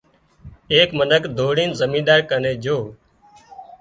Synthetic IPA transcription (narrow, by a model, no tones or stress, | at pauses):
eːkmənəkd̪ʱoːɽĩːnzəmĩːɗaːkəneːd͡ʒʱoː